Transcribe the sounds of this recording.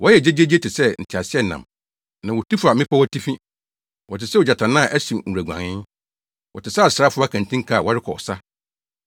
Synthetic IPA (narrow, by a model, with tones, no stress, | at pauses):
wɔ˦jɛ˨d͡ʑe˦d͡ʑe˦d͡ʑi˦e˦tɪ˨sɛ˦n̩˨tʰɪ˨a˨sɪ˦ɛ˦nã̰˨m | nã˨wɔ˨ti˦fa˨mɪ̃˦pʰa˦wɔ˦tʰi˦fĩ˦ | wɔ˨tɪ˨sɛ˦wɔ˨d͡ʑa˨tʰã˨nã˦˨ʔæ˦si˨ŋ̩˨æ˨ɡʷã̰˨nɪ̃˦n | wɔ˨tʰɪ˨sa˦˨sa˦fʊ˦a˦kʰã˨n˨tʰĩ˦ŋ̩˦kʰa˦˨wɔ˦ɾɪ˦kʰɔ˨ɔ̰˨sa˦